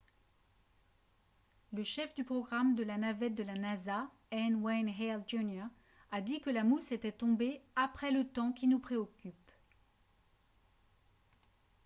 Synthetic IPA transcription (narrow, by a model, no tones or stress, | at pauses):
ləʃɛfd̪ypχɔɡʁamd̪əlanavɛt̪̚d̪əlanaza | ɛnwɛnɦɛld͡ʒunjaː | d̪ikəlamuset̪ɛt̪ɔ̃beapχɛlət̪ɑ̃kʲinupχeɔkʲyp